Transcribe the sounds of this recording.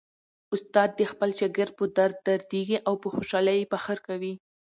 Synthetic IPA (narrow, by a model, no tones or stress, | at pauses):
ʊst̪ɑd̪ːəxpəlʃaɡəɾ̚pəd̪aɾd̪̚ːaɾd̪eɡiʔawpəxoʃɑləjpaxəɾkawi